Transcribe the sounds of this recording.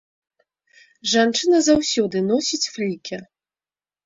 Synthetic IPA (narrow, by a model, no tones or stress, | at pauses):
ʐant͡ʂɨnɐzawsʲɔd̪ɨnɔsʲit͡sʲflʲikʲɛ